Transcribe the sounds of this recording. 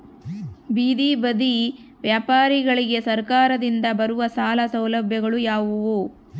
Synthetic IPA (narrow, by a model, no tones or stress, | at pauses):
biːd̪ibɐd̪i | ʋjaːpaːɾiɡɐɭiɡe̞sɐɾkaːɾɐd̪ind̪ɐbɐɾuʋɐsaːlɐsɐwlɐbʱjɐɡɐɭujaːʋuʋu